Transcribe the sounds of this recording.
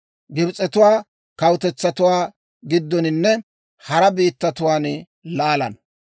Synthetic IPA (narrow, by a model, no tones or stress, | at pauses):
ɡɪbt͡sʼɛt̪ʊwaː | kɐwt̪ɛt͡sːɐt̪ʊwaː | ɡɪd̪ːɔnɪnːɛ | hɐɾɐbiːt̪ːɐt̪ʊwaːn | laːlɐ̰n